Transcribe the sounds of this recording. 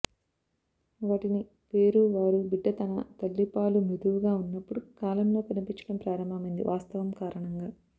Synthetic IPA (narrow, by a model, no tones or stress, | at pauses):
ʋaːʈini | pe̞ːɾuʋaːɾubiɖːɐt̪ɐnɐ̰t̪ɐlːipaːlumid̪uʋuɡaːunːɐpːuɽukaːlɐmlo̞ːkɐnipiɲt͡ʃɐ̥ɽɐmpɾaːɾɐmbʱɐmɐind̪ḭʋʔaːst̪ɐʋɐmkaːɾɐɳɐŋɡaː